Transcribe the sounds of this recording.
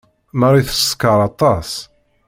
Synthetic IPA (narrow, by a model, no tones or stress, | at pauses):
məɾˤiθə̥skəɾˤɑt̪ˤɑs